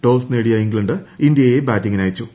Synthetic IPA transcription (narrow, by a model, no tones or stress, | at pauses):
ʈo̞ːsneːɽijɐiŋɡɭɐɳɖɨindjɐje̞baːtːiŋɡinaːjit͡ɕːu